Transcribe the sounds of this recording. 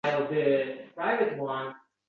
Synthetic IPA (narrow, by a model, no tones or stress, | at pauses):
ɪl̩ˠdɪpʰɹ̥aɪvɨt̚wʌ̃n